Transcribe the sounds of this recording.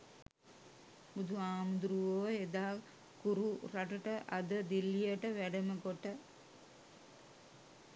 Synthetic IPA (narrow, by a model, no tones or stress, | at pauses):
bud̪uʋaːmud̪ɾuʋoed̪aː | kuɾuraʈəʈəʔad̪əd̪ilːijəʈəʋæɖəməɡoʈə